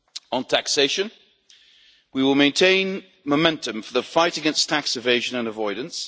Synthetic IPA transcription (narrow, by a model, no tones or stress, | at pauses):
ə̃ntʰakseɪʃə̃n | wiwɪlˠmẽɪ̃ntʰẽɪ̃n | məmɛ̃ntə̃ɱfəðəfaɪtəɡɛ̃nstʰaksɨveɪʒə̃nə̃nəvɔɪdⁿn̩s